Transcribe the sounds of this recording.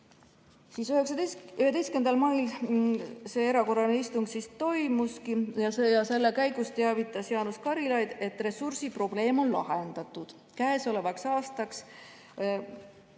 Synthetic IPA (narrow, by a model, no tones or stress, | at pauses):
siːsyheksɑyhed̪e̞jskend̪ɑlmɑjl | se̞e̞ɾɑko̞ɾɑneist̪uŋɡ̥sist̪o̞jmuskijɑjɑse̞lːekæjɡ̥ust̪eɑvit̪ˑːɑsjɑnuskɑɾilɑjd̪̥e̞t̪ːˑre̞sursipro̞ble̞ːmo̞nlɑ̰ɦend̪̥ɑt̪ːˑud̪̥ | kæːeso̞le̞vɑksɑːst̪ɑks